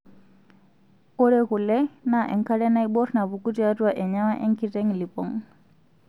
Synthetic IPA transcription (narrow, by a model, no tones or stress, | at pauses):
ɔɾɛkulɛnaʔɛ̰ŋkalɛnaibɔɾnaβukutiatuaʔɛɲamaʔɛŋkitɛŋlipɔŋ